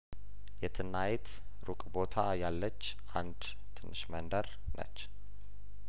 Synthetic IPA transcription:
jɛt̪ʰɨnːajet̪ | ɾukʼbo̞t̪ʰajalːət͡ʃː | ʔand̪ | t̪ʰɨnːɨʃmənd̪əɾ | nə̰t͡ʃː

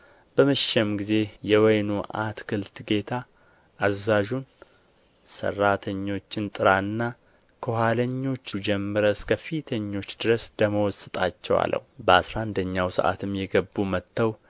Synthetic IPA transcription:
b̥əməʃɛmɡize̞jɛwɔjnuʔa̰t̪kʰɨlt̪ɡe̞t̪ʰa | ʔːzːaʒun | sə̰rːat̪ʰəɲːo̞t͡ʃːɪnt̪ʼɨɾaɨnːa | kʰohaləɲːo̞t͡ʃːd͡ʒɛmːɨɾəskʰəfit̪ʰəɲːo̞t͡ʃːd̪ɨɾəsd̪əməwɔsːɨt̪ʼat͡ʃːɛwa̰lːə̰hubəasɾand̪əɲːawsə̰ʔa̰t̪ʰɨmjɛɡəbːumət̪ːəw

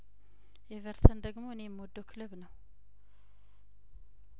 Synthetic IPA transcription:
ʔevəɾt̪ʰənd̪əɡmo̞ɨnemːwɔd̪ːokʰɨlɨβnəw

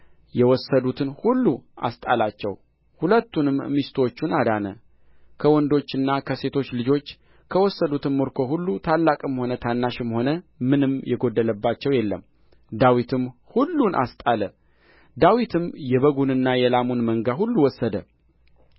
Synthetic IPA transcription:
jɛwɔsːəd̪ut̪ʰɨnhulːuʔa̰st̪ʼalat͡ʃːɛw | hulət̪ːunɨmmist̪ʰwot͡ʃːunad̪anə | kʰəwɔnd̪o̞t͡ʃːɨnːakʰəse̞t̪ʰo̞t͡ʃːlɨd͡ʒo̞t͡ʃː | kʰəwɔsːəd̪ut̪ɨnmoɾkʰo̞hulːut̪ʰalːakʼɨmho̞nət̪ʰanːaʃɨmho̞nəmɨnɨmjɛɡo̞d̪ːələbːat͡ʃːɛwjɛlːəm | d̪awit̪ʰɨmhulːunʔa̰st̪ʼalə | d̪awit̪ʰɨmjɛβəɡunɨnːajɛlamunməŋɡaɦulːuwɔsːəd̪ə

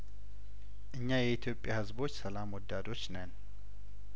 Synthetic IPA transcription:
ʔɨɲːajɛit̪ʰjo̞pʼːjahɨzbo̞t͡ʃːsəlamwɔd̪ːad̪o̞t͡ʃːnən

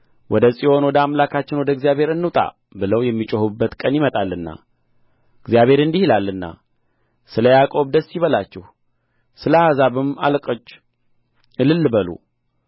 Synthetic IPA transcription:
wʔɔd̪əsʼiʔo̞nwɔd̪əamlakʰat͡ʃːɪnwɔd̪əɡzjaβhe̞ɾɨnːɨt̪ʼa̰ | bɨləwjɛmːit͡ʃʼohubːət̪kʼənjimət̪ʼalːɨnːa̰ | ɨɡzijaβhe̞ɾɨnd̪ihilalːɨnːa̰ | sɨləjakʼo̞βd̪əsːjiβəlat͡ʃːɛh | sɨləhazaβɨma̰lkʼət͡ʃː | ɨlɨlːɨbəlṵ

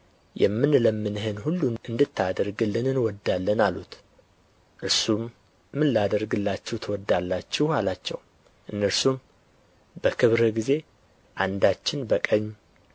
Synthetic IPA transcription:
jɛ̰mːɨnləmːɨnɨɦɨnhulːunɨnd̪ɨt̪ʰːad̪əɾɡɨlːɨnɨnwɔd̪alːənalut̪ | ʔɨɾsumː | ɨnːad̪əɾɡɨlːat͡ʃːɛwt̪ʰəwɔd̪ːalːat͡ʃːɛhalat͡ʃːɛ̰w | ʔɨnːəɾsum | bəkʰɨβɾəɡize̞ | ʔand̪at͡ʃːɪnbəkʼəɲː

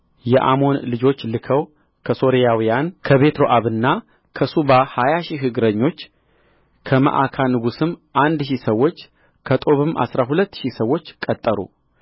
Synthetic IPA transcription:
jɛʔa̰mo̞nlɨd͡ʒo̞t͡ʃːlɨkʰəw | kʰəso̞ɾijawijankʰəβe̞t̪ɾo̞ʔaβɨnːa | kʰəsuβahajaʃiɦɨɡɾəɲːo̞t͡ʃː | kʰəmə̰ʔakʰanɨɡusɨmʔand̪ʃisəwːo̞t͡ʃː | kʰət̪ʼo̞βɨma̰sɾaɦulət̪ːʃisəwːo̞t͡ʃːkʼət̪ʼːəɾṵ

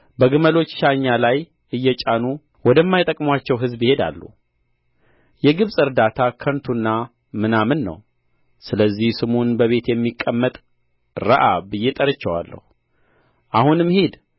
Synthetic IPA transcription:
bəɡɨməlo̞t͡ʃːʃaɲːalaj | ɨjːɛt͡ʃʼanu | wɔd̪əmːajt̪ʼəkʼmwat͡ʃːɛwɦɨzbihe̞d̪a̰lːṵ | jɛɡɨβsʼɨɾd̪at̪ʰakʰənt̪ʰunːa | mɨnamɨnːə̰w | sɨləzːihsɨmonbəβe̞t̪jɛmːikʼːəmːət̪ʼ | ɾəʔabɨjːɛt̪ʼəɾɨt͡ʃːɛwa̰lːə̰hu | ʔahunɨmhed̪

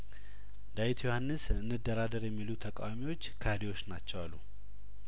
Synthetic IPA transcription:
d̪ajit̪ʰjohanːɨsɨnːɨd̪ːəɾad̪əɾjɛmːilut̪ʰəkʼawamiwo̞t͡ʃːkʰad̪iwo̞t͡ʃːnat͡ʃːɛwalːṵ

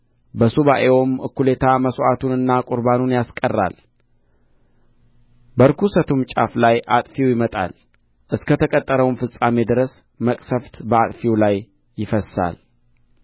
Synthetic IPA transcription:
bəsuβaʔewomɨ̰kːule̞t̪ʰaməsʔat̪ʰunɨnːakʼʊɾbanunjaskʼərːa̰l | bəɾkʰusət̪ʰumt͡ʃʼa̰flajʔat̪ʼfiwjɪmət̪ʼa̰l | ʔɨskʰət̪ʰəkʼət̪ʼːəɾəwnfɨsʼame̞d̪ɨɾəs | məkʼsəft̪bəat̪ʼfiwlajː | ɪfəsːa̰l

